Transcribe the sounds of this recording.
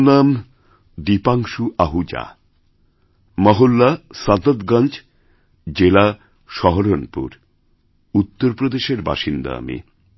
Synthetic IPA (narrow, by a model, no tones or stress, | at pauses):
nam | d̪ipaŋʃuʔaɦud͡ʑa̰ | mɔɦulːasad̪od̪ɡand͡ʑ | d͡ʑela | ʃɔɦoɾonpṵɾ | ut̪ːoɾpɾod̪eʃeɾba̰ʃind̪a̰a̰mḭ